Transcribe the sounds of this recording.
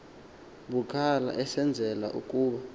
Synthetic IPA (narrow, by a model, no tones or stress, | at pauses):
ɓukʰala̰ʔɛsɛnd͡zʱɛla̰ʔukʼuːɓa